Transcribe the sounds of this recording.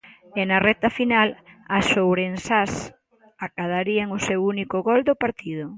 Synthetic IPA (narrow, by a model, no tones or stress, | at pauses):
ɛnɐrɛt̪ɐfinalɐsowβɾensas | akað̞aɾiaŋʊsewunikʊɣɔld̪ʊpaɾt̪iðʊ